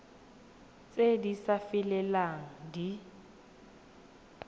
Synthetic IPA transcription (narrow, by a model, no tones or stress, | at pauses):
t͡sʼedisafɪlɛlaŋ̩di